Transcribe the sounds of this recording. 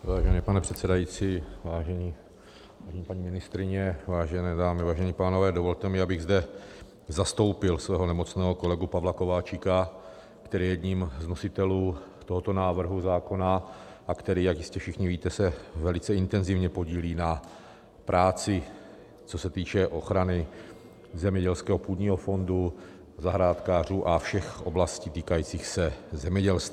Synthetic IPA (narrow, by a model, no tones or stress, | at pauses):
vaːʒɛnɛːpanɛpr̥ɛt̪sɛdajiːt͡siːvaːʒɛɲiː | vaːʒɛɲiːpaɲimɪnɪst̪ɾɪɲɛvaːʒɛnɛːdaːmɪvaːʒɛɲiːpaːno̞vɛːdovo̞lt̪ɛmɪabɪɣzdɛ | zast̪o̞wpɪlsvɛːɦo̞nɛmo̞t͡snɛːɦo̞ko̞lɛɡupavlako̞vaːt͡ʃɪka | kt̪ɛɾiːjɛd̪ɲiːmzno̞sɪt̪ɛluːt̪oɦot̪o̞naːvr̩ɦuzaːko̞na | ʔakt̪ɛɾiːjakjɪscɛfʃɪxɲɪviːt̪ɛsɛvɛlɪt͡sɛɪnt̪ɛnzɪvɲɛpoɟiːliːna | pɾʔaːt͡sɪ | t͡so̞sɛt̪iːt͡ʃɛʔo̞xɾanɪ | zɛmɲɛɟɛlskɛːɦopuːd̪ɲiːɦo̞fo̞ndu | zaɦɾaːt̪kaːr̝uːʔafʃɛxʔo̞blasciːt̪iːkajiːt͡siːxsɛzɛmɲɛɟɛlst̪ː